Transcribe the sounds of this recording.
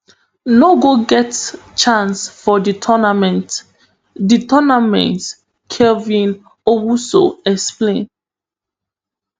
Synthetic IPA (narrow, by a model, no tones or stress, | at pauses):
noɡoɡɛtst͡ʃãnsfɔditʰɔnamɛ̃nt | ditɔnamɛ̰̃nt | kʰɛvĩn | owusoɛksplẽn